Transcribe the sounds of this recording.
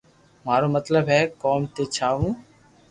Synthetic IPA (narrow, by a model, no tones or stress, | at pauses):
maːɾoːmət̪ləbɦɛːkoːmt̪eːt͡ʃʰaːɦũː